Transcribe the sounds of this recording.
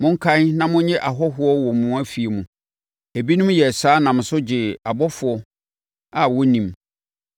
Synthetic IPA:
mʊ̃˦ŋ̩˦kʰã˦n˦nã˦mʊ̃˦ɲɛ̃˦ʔa˨ɦɔ˦ɦʊ˦ɔ˦wɔ˨mũ˦æ˦fi˨e˨mũ˨ | æ˨bi˦nũ˦mjɛ˨saː˦nã˨m̃˨sʊ˦d͡ʑɪ˨a˨bɔ˦fʊ˨ɔ˦ | a˨wɔ˦nĩ˨m

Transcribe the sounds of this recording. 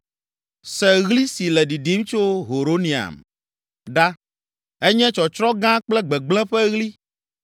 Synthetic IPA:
sɛ˨ɣli˦si˨lɛ˨ɖi˨ɖi˨˦m˦t͡ʃo˦ɦo˨ɾo˦nĩ˨a̰˨m | ɖa˦ | ɛ˦ɲɛ̃˦t͡ʃɔ˨t͡ʃɾɔ̃˦ɡã˦k͡plɛ˦ɡ͡bɛ˨ɡ͡blɛ̃˦ɸɛ˦ɣli˦

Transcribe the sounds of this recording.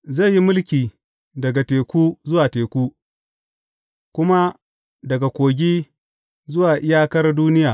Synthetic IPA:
ze˦˨jːi˦mʊ˦lkʲiː˨ | dɐ˨ɡa˨teː˨kʷuː˦zʊ˦waː˨teː˨kʷuː˦ | kʷʊ˦ma˦ | dɐ˨ɡa˨kʷoː˨ɡʲiː˦ | zʊ˦waː˨ʔɪ˦jaː˦kɐ˦rduː˦nɪ˦jaː˨

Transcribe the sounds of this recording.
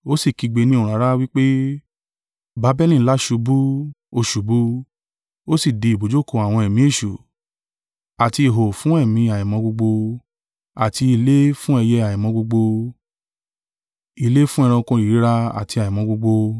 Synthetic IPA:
o˦si˦˨ki˧ɡ͡be˧nĩ˦o˨ɾ̃a˨˦ɾa˦wi˦k͡pe˦ | ba˨˧˦bɛ˦lĩ˦˨˦la˦ʃu˧bu˦ | o˧ʃu˨bu˦ | o˦si˦˨di˧i˨bo˨d͡ʒo˦ko˧a˨w̃ɔ̃˧ɛ˨mĩ˨˦e˦˨ʃu˨ | a˨ti˧i˨ɦo˨fũ˨˦ɛ˦˨mĩ˧a˨jĩ˨mɔ̃˧ɡ͡bo˧ɡ͡bo˧ | a˨ti˧i˧le˦fũ˦ɛ˧jɛ˦a˨jĩ˨mɔ̃˧ɡ͡bo˧ɡ͡bo˧ | i˧le˦fũ˦ɛ˧ɾ̃ã˧kɔ̃˧i˨i˦ɾa˧a̰˨ti˧a˨ĩ˨mɔ̃˧ɡ͡bo˧ɡ͡bo˧

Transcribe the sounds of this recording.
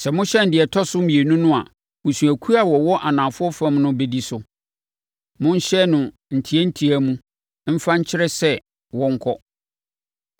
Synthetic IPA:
sɛ˨mʊ̃˦ɕɛ˦n̩˨dɪ˨ɛ˨tʰɔ˦sʊ˦mĩ˨e˨nũ˦nʊ̃˦a̰˨ | mũ˨sũ˨æ˨kʰu˦ɾa˨wɔ˨wɔ˦ʔa˨nã˨fʊ˦ɔ˦fã˦mnʊ̃˦be˨di˦sʊ˨ | mʊ̃˦n˦ɕɛ˦nʊ̃˨ | n̩˨tʰi˨˦ɛ˦n̩˦tʰi˨æ˦mũ˦ | m̩˦fã˦ɲ̩˦t͡ɕʰɪ˦ɾɛ˦sɛ˦˨ | wɔ̃˦ŋ̩˦kʰɔ˦

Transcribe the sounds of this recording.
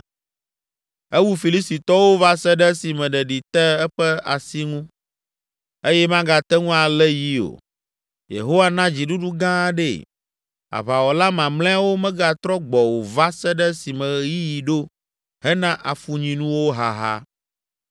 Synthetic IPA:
ɛ˦wu˦fi˨li˦sti˨t̪ɔ˦wo˦va˦sɛ˦ɖɛ˦si˨mɛ̃˨ɖɛ˨ɖi˨t̪ɛ˦ɛ˦ɸɛ˦a̰˨si˦ŋũ˦ | e˦jɛ˦mã˦ɡa˨t̪ɛ˦ŋũ˦a˨lɛ˦ji˦o̰˨ | jḛ˨ɦo˦wa˦nã˦d͡ʑi˨ɖu˦ɖu˦ɡã˦ɖɛ̰˦˨ | a̰˨βa˨wɔ˨la˦mã˨mlɛ̃˦a˦wo˦mɛ̃˦ɡa˦t̪ɾɔ˦ɡ͡bɔ˨wo˨va˦sɛ˦ɖɛ˦si˨mɛ̃˨ji˦ji˨ɖo˦ | ɦɛ˦nã˦ʔa˨fu˦ɲĩ˨nũ˦wo˦ɦa˨ɦa̰˦

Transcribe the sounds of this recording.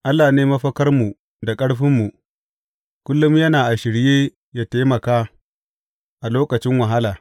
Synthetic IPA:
ʔa˦lːaː˨neː˦mɐ˦ɸɐ˦kɐ˦rmu˨ | da˨kʼɐ˦ɽɸɪ˦mːu˨ | kʷʊ˦lːʊ˦mjɐ˦naː˨ʔa˨ʃɪ˨ɽjeː˦ | jaː˦ta˦mɐ˨kaː˦ | ʔa˨loː˦kɐ˨t͡ʃɪ˦ŋwɐ˨ɦa˦laː˨

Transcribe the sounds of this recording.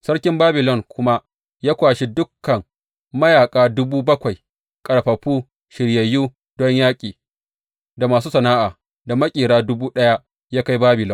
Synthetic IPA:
sɐ˦ɽkʲɪ˦mbaː˦bɪ˨lɔ˦˨ŋkʷʊ˦ma˦ʔ | jaː˦kʷaː˨ʃi˦dʊ˦kːɐ˨ŋ | mɐ˦jaː˨kʼaː˦dʊ˦buː˦bɐ˦kʷa˨j | kʼɐ˨ɽɸɐ˨ɸuː˦ | ʃɪ˨ɽjɐ˨jːuː˦ | dɔ˦ɲjaː˦kʲʼiː˨ | da˨maː˨s̬uː˦sɐ˨naː˦ʔaː˨ | da˨mɐ˦kʲʼiː˨ɽaː˦dʊ˦buː˦ɗɐ˦ja˦ | jaː˦ka˦jbaː˦bɪ˨lɔ˦n

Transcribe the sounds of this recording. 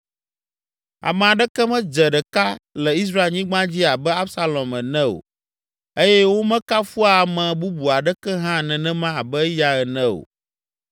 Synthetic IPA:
a̰˨mɛ̃˨a˨ɖɛ˦kɛ˦mɛ̃˦d͡ʒɛ˨ɖɛ˨ka˦lɛ˨i˦s̬ɾa˦e˨lɲĩ˦ɡ͡bã˦d͡ʑi˦a˨bɛ˦a˦bsa˦lɔ̃˨mɛ˨nɛ̃˦o̰˨ | e˦jɛ˦wo˦mɛ̃˦ka˦fu˦a˨mɛ̃˨bu˦bu˨a˨ɖɛ˦kɛ˦ɦã˦˨nɛ̃˨nɛ̃˦mã˦a˨bɛ˦ja˨ɛ˨nɛ̃˦o̰˨

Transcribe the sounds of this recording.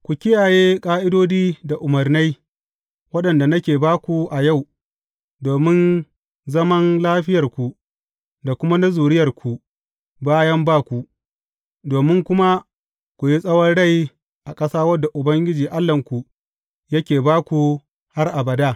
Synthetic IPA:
kʷu˨kʲɪ˦jaː˨jeː˦kʼaː˦ʔɪ˦doː˦diː˦da˨ʔʊ˨mɐ˨rna˦j | wɐ˦ɗɐ˨nda˨nɐ˦kʲeː˨baː˦kʷu˨ʔa˨ja˦˨w | doː˨mɪ˦n | zɐ˦mɐ˦nlaː˦ɸɪ˦jɐ˨rkʷu˨ | da˨kʷʊ˦ma˦na˦zuː˨ɽɪ˦jɐ˨rkʷu˨ | baː˦jɐ˦mbaː˦kʷu˨ʔ | doː˨mɪ˦ŋkʷʊ˦ma˦ | kʷu˨ji˦sʼɐ˦wɔ˦nɽa˦˨j | ʔa˨kʼɐ˦saː˦wɐ˦dːa˨ʔʊ˨bɐ˦ŋɡʲɪ˦d͡ʒiː˨ʔa˦lːɐ˨ŋkʷu˨ | jɐ˦kʲeː˨baː˦kʷu˨ | ha˦rʔa˨bɐ˨daː˦

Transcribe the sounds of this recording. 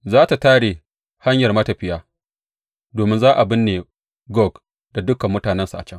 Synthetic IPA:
zaː˦ta˨taː˦ɽeː˨ | ha˦ɲjɐ˨rmɐ˦ta˨ɸɪ˦jaː˦ | doː˨mɪ˦nzaː˦ʔa˨bɪ˦nːeː˨ | ɡɔ˦˨ɡ | d̥a˨dʊ˦kɐ˨mːʊ˦taː˨nɛ˦nsa˨ʔa̰˨t͡ʃɐ˦ŋ

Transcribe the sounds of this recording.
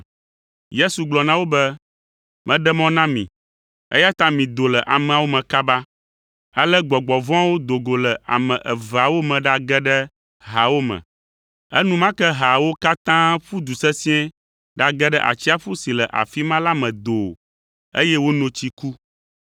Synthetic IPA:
je˦su˨ɡ͡blɔ˨nã˦wo˦bɛ˦ | mɛ̃˦ɖɛ˦mɔ̃˦nã˦mḭ̃˨ | ɛ̰˦ja˦t̪ã˦mĩ˨d̪o˨lɛ˨ʔa˨mɛ̃˨a˨wo˦mɛ̃˨ka˦ba˦ | a˦lɛ˦ɡ͡bɔ˨ɡ͡bɔ˨vɔ̃˦a˦wo˦d̪o˨ɡo˨lɛ˨ʔa̰˨mɛ̃˨ʔɛ˨va˨wo˦mɛ̃˨ɖa˨ɡɛ˦ɖɛ˦ | ɦa˨wo˦mɛ̰̃˨ | ɛ˦nũ˦mã˦kɛ˦ɦa˨wo˦ka˦t̪ã˦ɸu˦d̪u˨sɛ˦sĩ˦ɛ̃˦ | ɖa˨ɡɛ˦ɖɛ˦ʔa̰˨t͡ɕi˦a˦ɸu˦si˨lɛ˨ʔa̰˨fi˦mã˦la˦mɛ̃˨d̪o˨ | ḛ˦jɛ˦wo˦nõ˨t͡ɕi˦ku˦

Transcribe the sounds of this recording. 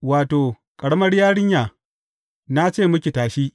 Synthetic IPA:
waː˨toː˨ | kʼɐ˨ɽɐ˦mɐ˦ɽjaː˦ɽɪ˦ɲjaː˨ | na˦t͡ʃeː˦˨mʊ˦kʲi˨taː˨ʃiː˦ʔ

